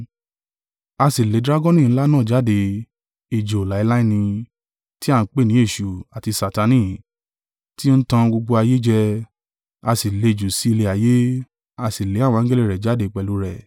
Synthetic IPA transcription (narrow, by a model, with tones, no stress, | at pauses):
a˧si˨le˨˦dɾa˦ɡɔ˦nĩ˦˨˦la˦nãː˦˨d͡ʒa˨˦de˧ | i˨d͡ʒo˨la˨˦i˧la˦ĩ˦˨nĩ˧ | ti˦a˦˨n̩˨˦k͡pe˦˨nĩ˨˦e˦˨ʃu˨a˨ti˧sa˨ta˧˦nĩ˦˨ | ti˦n̩˦tã˧ɡ͡bo˧ɡ͡bo˧a˧je˦d͡ʒɛ˧ | a˧si˨le˨˧˨d͡ʒu˨si˦i˧le˧a˨je˦ | a˧si˨le˨˦a˦˨wɔ̃˧˦ɡe˦li˦˨ɾɛ˨d͡ʒa˨˦de˧˦k͡pɛ˨˧lu˨˧˦ɾɛ˨